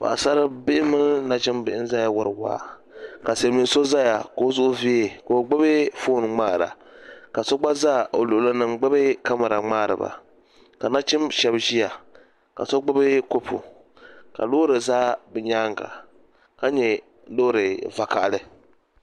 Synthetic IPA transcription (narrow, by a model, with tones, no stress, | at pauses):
pa̰˨a̰˨sa˦ɾɨ˦bɪ˦ɪ˦mɨ˦n˦na˦t͡ʃɪ˦mbɪ˨ʔɪ˦n˦za˦ja˨wʊ˨ɾɨ˨wa̰ː˦˨ | ka˨se˨˦mi˨n˦so˦za˦ja̰˨ko˦zʊ˦ʔʊ˦vi˦e˨ko˨o˨ɡ͡bɨ˦bɨ˦foː˦n˨ŋ͡maː˦˨ɾa̰˨ | ka˨so˦ɡ͡ba˦zaː˦˨ʔo˨lʊ˨ʔʊ˨lɨ˦nɨ˨mɡ͡bɨ˦bɨ˦ka˦ma˨ɾa˨ŋ͡maː˦˨ɾɨ̰˨ba̰˨ | ka˨na˦t͡ʃɪ˦mʃɛ˦bʒi˦ja˨ | ka̰˨so˦ɡ͡bɨ˦bɨ˦ko˦pʰṵ˨ | ka̰˨loː˦ɾɨ˨zaː˦bɨ˨ɲaː˦ŋɡa̰˨ | ka˦ɲɛ˨ | lo˦ɾɨ˨va˨ka˨ʔlɨ˨